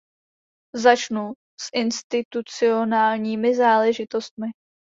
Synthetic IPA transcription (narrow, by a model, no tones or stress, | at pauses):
zat͡ʃnu | sʔɪnst̪ɪt̪ut͡sɪo̞naːlɲiːmɪzaːlɛʒɪt̪o̞st̪̚mɪ